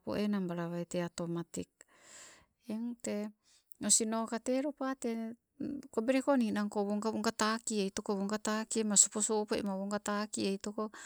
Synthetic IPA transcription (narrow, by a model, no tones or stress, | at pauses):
po̰ʔenambaɾaβait̪eat̪omat̪ik̚ | eŋt̪e | nosinokat̪eɾopat̪e | kobeɾekoninaŋkoβuŋkaβuŋkat̪akieit̪okoβuŋkat̪akimasupusupoḭmaβuŋkat̪akieit̪oko